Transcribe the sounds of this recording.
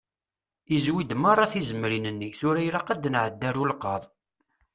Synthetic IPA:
izwid̪mɑrˤːɑθizəmɾinənːiθʊɾæjɾaqad̪ənʕəd̪ːæɾulqɑðˤ

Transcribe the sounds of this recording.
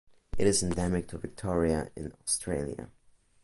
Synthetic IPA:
ɨɾɨsɨ̃ndɛmɪk̚tʰɨvɨk̚tʰɔɹiəɪ̰̃nɔstʰɹ̥eɪlˠjə̰

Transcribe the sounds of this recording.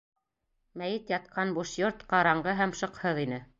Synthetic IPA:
mæjɘt̪jɑt̪̚qɑnbuʃjoɾt̪qɑɾɑɴɢɤɦæmʃɤ̆qhɤðinɘ

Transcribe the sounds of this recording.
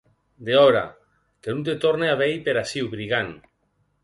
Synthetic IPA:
d̪eɔɾa̰ | kenunt̪et̪oɾneaβejpeɾasiwβɾiɣan

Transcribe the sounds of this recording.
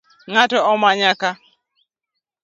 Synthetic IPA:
ŋatɔɔmaɲaka

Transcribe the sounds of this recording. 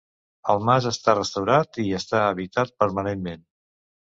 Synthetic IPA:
əlˠmazəst̪arəst̪əwɾat̪iəst̪aəβit̪at̪̚pəɾmənemmen

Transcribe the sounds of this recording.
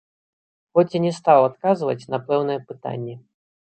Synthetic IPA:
xɔt͡sʲinʲɛst̪awat̪̚kazvɐ̰t͡sʲnɐpɛwn̪ɨjɛpɨt̪a̰nʲːɛ

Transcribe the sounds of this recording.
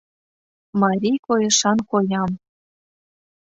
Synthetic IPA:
mɑɾʲijkojɤ̆ʃɑnkojɑm

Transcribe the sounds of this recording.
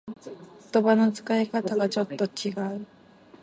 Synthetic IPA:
t̪obanɯnsʰɯ̥kaɦekʰat̪ʰaɡat͡ɕɔt̪͈ːɔt͡ɕʰiɡa

